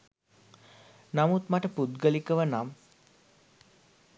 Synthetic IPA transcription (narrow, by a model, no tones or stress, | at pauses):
namut̪maʈəpud̪ɡəlikəʋənam